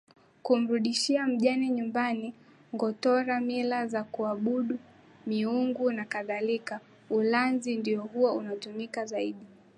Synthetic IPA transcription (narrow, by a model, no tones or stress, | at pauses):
kum̩ɾuɗiʃiam̩ʄaniɲumbani | ŋɡɔtɔɾamilazakuaɓuɗu | miuŋɡunakaðalika | ulanzindiɔhuwaunatumikazaiɗi